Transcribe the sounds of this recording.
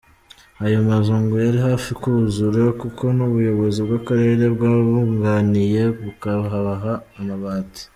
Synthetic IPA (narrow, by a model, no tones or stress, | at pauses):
ajomaʒuːŋɡojaɾiɦaːfikuuzuɾokuko̞nuβujo̞βo̞zibɡakaɾe̞ːɾe̞bɡaːβuŋɡaːnije̞βukaβaɦaβaɦaːmaβaːti̥